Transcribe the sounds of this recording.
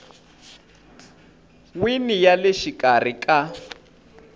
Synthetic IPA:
winijalɛʃikʼar̤ikʼa

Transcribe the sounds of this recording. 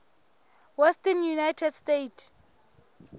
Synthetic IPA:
wɛstənjunajtʰɛdstet

